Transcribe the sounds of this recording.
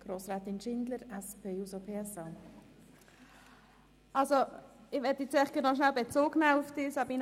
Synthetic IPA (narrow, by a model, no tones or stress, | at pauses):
ɡ̥roːsɾaːt̪ɪnʃɪndləɾɛspʰeːusopʰeːɛsɑː | ɑlsoɪʋɛtjiɛt͡sɛχɡ̥ɛnaʃnalbet͡soːɡnaʊfd̥ɪːsɑbin